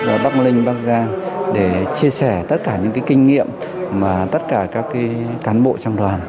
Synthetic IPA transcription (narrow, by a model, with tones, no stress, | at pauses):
ɓaː˨˩ɓa˦˥k̚lï˧ŋ̟ɓa˦˥k̚zaː˧ŋɗe˧˩t͡ɕi˧əsɛ˧˩t̪ə˦˥t̚kaː˧˩ɲɨ̰˧˥ŋkaː˨˦kï˧ŋ̟ŋḭ˧˨əmmaː˨˩t̪ə˦˥t̚kaː˧˩kaː˦˥kːaː˨˦kaː˨˦nɓo̰˧˨t͡ɕaː˧ŋt̪waː˨˩n